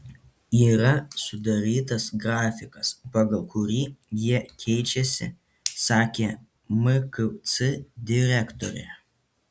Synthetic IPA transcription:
iːɾɐsʊd̪ɐɾʲiːt̪ɐsɡɾɑːfʲɪkɐspɑɡɐlˠkʊɾʲiːjiɛkʲʰɛɪt͡ʃʲɛsʲɪ̰ | sɑːkʲeː | mɨkt̪sɨd̪ʲɪɾʲækt̪ɔɾʲɛ̰ː

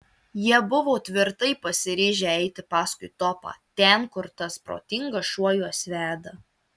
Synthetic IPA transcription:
jiɛbʊʋoːt̪ʲʋʲɪɾt̪ɐɪpɐsʲɪɾʲeːʒʲɛɛɪt̪ʲɪpɑːskʊɪt̪ɔːpɑ̰ːt̪ʲɛˑnkʊɾt̪ɐspɾo̰ːt̪ʲɪŋɡɐʃuɔjuɔsʲʋʲæːd̪ɐ

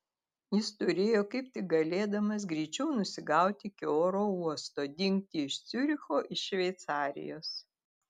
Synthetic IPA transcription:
jɪst̪ʊɾʲeːjoːkɐɪp̚t̪ʲɪk̚ɡɐlʲeːd̪ɐmɐs̬ɡɾʲɛɪt͡ʃʲɛʊnʊsʲɪɡɑˑʊt̪ʲɪkʲɪoːɾoːuɔst̪oːd̪ʲɪŋʲk̚t̪ʲiɪʃt̪sʲʊɾʲɪxoːʔɪʃʃʲʋʲɛɪt̪sɑːɾʲɪ̰joːs

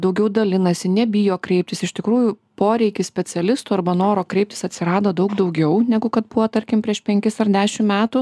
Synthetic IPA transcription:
d̪ɐʊɡʲɛʊd̪ɐlʲɪnɐsʲɪnʲɛbʲɪjoːkɾʲɛɪp̚ʲt̪ʲɪsɪʃʲt̪ʲɪkɾuːjʊpoːɾʲɛɪkʲɪsʲpʲɛt͡s̪ʲɛlʲɪst̪uɐɾbɐnoːɾoːkɾʲɛɪptʲɪ̥sɐt̪ʲsʲɪɾɑːd̪oːd̪ɒʊkd̪ɒʊɡʲɛʊnʲɛɡʊkɐt̪bʊʋoːt̪ɐɾʲkʲɪmpʲɾʲiɛʃpʲɛŋʲkʲɪsɐrd̪ʲæːʃʲɪmmʲæːt̪u

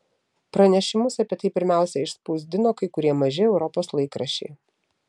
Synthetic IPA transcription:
pɾɐnʲɛʃʲɪmʊsɐpʲiɛt̪ɐɪpʲɪɾʲmʲæˑʊsʲɛɪʃspuzʲd̪ʲɪnoːkɐɪkʊɾʲiɛmɐʒʲɪɛʊɾɔpoːslˠɐɪkɾɐʃʲɛ̰ɪ

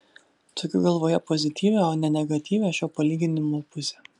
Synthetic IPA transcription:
t̪ʊkʲʊɡɐlˠʋoːjɛpɔzʲɪt̪ʲiːʋʲeoːnʲɛnʲɛɡɐt̪ʲiːʋʲeʃʲoːpɐlʲiːɡʲɪnʲɪmoːpʊsʲɛː

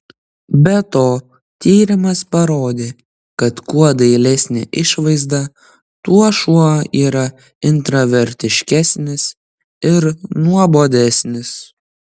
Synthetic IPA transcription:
bʲɛt̪oː | t̪ʲiːɾʲɪmɐspɐɾoːd̪ʲeː | kɐt̪kuɔd̪ɐɪlʲɛsʲnʲḛʔɪʃʋɐɪzd̪ɐ | t̪uɔʃuɔiːɾɐ | ɪnt̪ɾɐʋʲɛɾʲt̪ʲɪʃʲkʲæsʲnʲɪs | ɪɾnuɔboːd̪ʲɛsʲnʲɪs

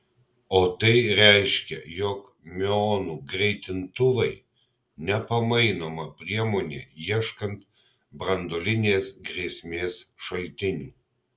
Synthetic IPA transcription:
oːt̪ɐɪɾʲɛɪʃʲkʲɛ̰jɔk | mʲɛoːnuːɡɾʲɛɪt̪ʲɪnt̪ʊʋɐɪ | nʲɛpɐmɐɪnoːmɐpʲɾʲiɛmoːnʲḛːjiɛʃkɐnt̪ | bɾɐnd̪oːlʲɪnʲeːsɡɾʲeːsʲmʲeːsʃɐlʲt̪ʲɪnʲuː

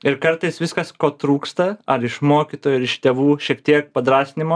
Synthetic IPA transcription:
ɪɾkɐɾt̪ɐɪsʋʲɪskɐskoːt̪ɾuːkst̪ɐɐɾɪʃmoːkʲit̪oːjuɐɾɪʃt̪ʲeːʋuːʃʲiɛk̚t̪ʲiɛk̚pɐd̪ɾɑːsʲnʲɪmoː

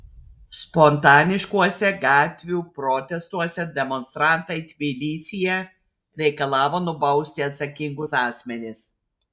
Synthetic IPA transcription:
spɔnt̪ɑːnʲɪʃkuɔsʲɛɡɑːt̪ʲʋʲuːpɾɔːt̪ʲɛst̪uɔsʲɛd̪ʲɛmɔnst̪ɾɑˑnt̪ɐɪt̪ʲʋʲɪlʲiːsʲɪjɛ | ɾʲɛɪkɐlˠɑːʋoːnʊbɐʊsʲt̪ʲɪɐt̪sɐkʲɪŋɡʊsɑːsʲmʲɛnʲɪs

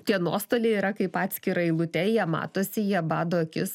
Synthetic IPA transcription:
t̪ʲiɛnuɔst̪oːlʲeːiːɾɐkɐɪpɑːt̪ʲsʲkʲɪɾɐɪlˠʊt̪ʲɛjiɛmɑ̰ːt̪oːsʲɪjiɛbɑːd̪oːɐkʲɪs

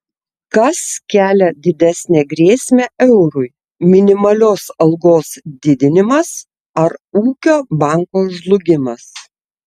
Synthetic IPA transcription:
kɐskʲæːlʲɛd̪ʲɪd̪ʲæsʲnʲeːɡɾʲeːsʲmʲæʔɛʊɾʊɪ | mʲɪnʲɪmɐlʲoːsɐlˠɡoːsd̪ʲɪd̪ʲɪnʲɪmɐs | ɐɾuːkʲoːbɑˑŋkoːʒlˠʊɡʲɪmɐs

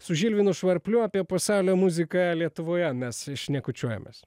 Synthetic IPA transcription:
sʊʒʲilʲʋʲinʊʃʋɐɾʲpʲlʲʊɑːpʲiɛpɐsɑˑʊlʲoːmuzʲɪkɑlʲiɛt̪ʊʋoːjɛmʲɛsʃʲnʲɛkʊt͡ʃʲuɔjɛ̰mʲḛs

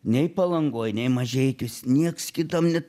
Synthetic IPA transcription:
nʲɛɪpɐlˠɐŋɡoːjnʲɛɪmɐʒʲɛɪt̪ʲʊsʲnʲiɛkskʲɪt̪ɐmnʲɛ

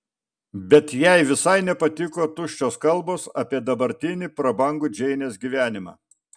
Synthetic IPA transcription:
bʲɛt̪jɛɪʋʲɪsɐɪnʲɛpɐt̪ʲɪkoːt̪ʊʃʲt͡ʃʲoːskɐlˠboːsɐpʲiɛd̪ɐbɐɾʲt̪ʲɪnʲɪpɾɐbɐŋɡʊːd͡ʒʲɛɪnʲeːsɡʲiʋʲæːnʲɪmɑ̰ː

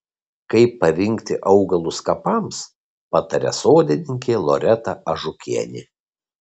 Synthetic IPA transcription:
kɐɪpːɐʋʲɪŋʲkt̪ʲɪʔɐʊɡɐlˠʊskɐpɐms | pɐt̪ɐɾʲɛ̰soːd̪ʲɪnʲɪŋʲkʲeːlˠɔɾʲɛt̪ɐʔɐʒʊkʲiɛnʲɪ̰

